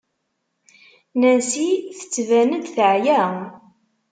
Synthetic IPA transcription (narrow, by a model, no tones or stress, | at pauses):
nænsiθə̥t͡sːvænəd̪θəʕjæ